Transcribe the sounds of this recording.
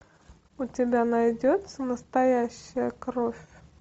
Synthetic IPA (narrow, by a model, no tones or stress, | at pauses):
ʊtʲɪbʲanɐjdʲot̪səməst̪ɐjæɕːɪjəkɾofʲ